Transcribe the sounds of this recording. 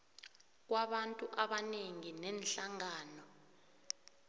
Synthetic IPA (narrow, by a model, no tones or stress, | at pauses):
k̬waɓantʼuʔaɓaneŋinɛnɬaŋaːnɔ